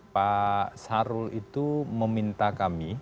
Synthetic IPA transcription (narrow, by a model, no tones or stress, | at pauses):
pasaɾʊlit̪uməmint̪akami